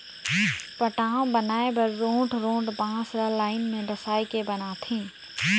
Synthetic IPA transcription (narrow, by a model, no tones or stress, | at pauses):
pɐʈaːõbɐnaːebɐɾːõːʈʰɾõːʈbãːsɾalaːɪnmẽdɐsaːikebɐnaːt̪ʰẽː